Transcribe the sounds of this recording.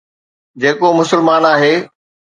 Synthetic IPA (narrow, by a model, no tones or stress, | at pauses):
d͡ʑeːkomʊsəlmaːnaːɦeː